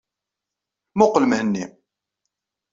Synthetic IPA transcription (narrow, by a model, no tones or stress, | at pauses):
mʊqləmhənːi